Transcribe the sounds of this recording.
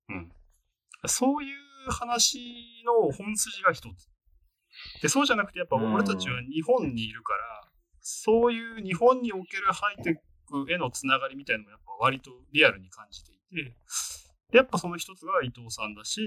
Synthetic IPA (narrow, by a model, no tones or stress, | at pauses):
ɯ̟̃ɴ | j̪aso̞ːjɯːhanaɕino̞hõ̞ɰ̃sɨʑiɡaçi̥t̪ot͡sɨ̥ | d̪̥e̞so̞ːʑanakɯ̟̥t̪e̞japːaoɾe̞t̪at͡ɕiβaɲ̟iɦõ̞ɲ̟ːiːɾɯ̟kaɾa | so̞ːjɯːɲ̟iɦõ̞ɲ̟ːio̞ke̞ɾɯ̟hait̪e̞ | kɯ̟e̞no̞t͡sɨnaɡaɾʲimʲit̪ainamojapːaβ̞aɾʲit̪o̞ɾʲiaɾɯɲ̟ikãɲ̟d͡ʑit̪e̞it̪e̞ | d̪̥ejapːaso̞no̞çʲi̥t̪o̞t͡sɨɡait̪o̞ːsãnd̪aɕi